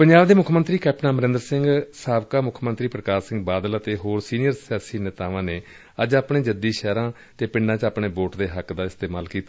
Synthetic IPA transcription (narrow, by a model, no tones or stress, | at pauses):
pəɲd͡ʒaːbd̪eːmʊkʰmə̃nt̪ɾiːkɛːp̚nãːməɾɪ̃nd̪əɾsɪ̃ŋɡsaːbkaːmʊkʰmənt̪ɾiːpɾəkaːɾsɪ̃ŋɡbaːd̪ələt̪eːɦoːɾsiːnɪjəɾsjaːsiːnɪt̪aːʋãːneː | əd͡ʒaːpɳeːd͡ʒəd̪iːʃɛːɾãː | t̪eːpɪɳɖãːt͡ʃaːpɳeːboːʈd̪eːɦəkd̪aːɪst̪eːmaːlkiːt̪a